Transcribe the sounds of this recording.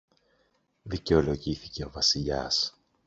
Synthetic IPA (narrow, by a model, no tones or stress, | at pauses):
ðice̞o̞lo̞ʝiθice̞o̞vɐsiʎɐ̰s